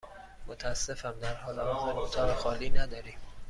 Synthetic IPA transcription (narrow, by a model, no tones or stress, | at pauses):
mot̪ʰæsːefæmd̪æɾhɒːlæhɒzeɾot̪ʰɒːɾexɒːliːnæd̪ɒːɾiːm